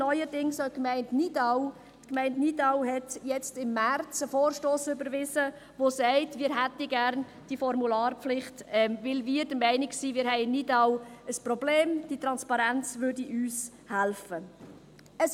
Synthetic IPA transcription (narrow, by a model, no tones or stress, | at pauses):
nɔʏədɪŋsokmɛɪntnidɑʊ | tkmɛɪntnidaʊɦɛtjɛt͡stɪmːært͡səfoːɾʃtoːsʏbəɾvɪzə | vosɛɪtmɪːɾɦætəɡæɾn | d̥ifɔɾmulɑːɾpp͡flɪχtɛmvɪlvɪːɾdəmɛɪnɪksiːmɪːɾhɛɪɪnːidɑʊəsprɔbleːmd̥it̪ɾɑnspɑɾænt͡svʏɾdiʔyːs | hælfə | əs